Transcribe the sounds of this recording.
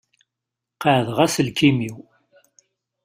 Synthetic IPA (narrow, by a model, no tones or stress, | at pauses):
qəʕðʁæsəlkʰimiw